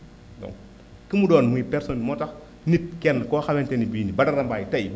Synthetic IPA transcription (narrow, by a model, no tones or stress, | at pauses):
dɔ̰ŋ | kimudɔːnmuipɛɾsonmɔtɐx | nit̚kɛnːkɔːxabɛntɛnibiːnibɐdɐɾɐmbaːjitɐj